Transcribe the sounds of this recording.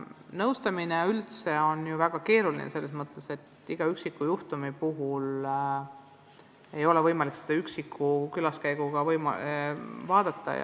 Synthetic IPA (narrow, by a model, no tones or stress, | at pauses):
nɤwst̪ɑmineylt̪se̞o̞njuvæɡ̥ɑke̞ːɾulinḛse̞lːes̬mɤt̪ːˑe̞se̞t̪ː | iɡ̥ɑyksikːˑujuht̪umipuɦul | e̞jo̞levɤjmɑliksed̪̥ɑyksikʰːukylɑskæjɡ̥uɡ̥ɑvɤjm | vɑːd̪̥ɑt̪ːɑ̰j̰